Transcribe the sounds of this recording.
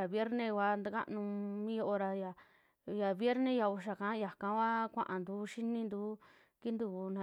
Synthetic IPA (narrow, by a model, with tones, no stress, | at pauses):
a˨βje˦ɾnẽ˧kʷa˧nd̪a˦ka̰˦nũ˧mĩ˦jo˦ʔo˧ɾa˧ja˨ | ja˨βje˦ɾnẽ˦ja˧u˧ʃ̬a˨kã˨˦ja˨kã˧˦ka˦kʷã̰˦ʔã˨nd̪u˨˦ʃi˦nĩ˧nd̪u˨˦ | ki˦nd̪u˧nã˧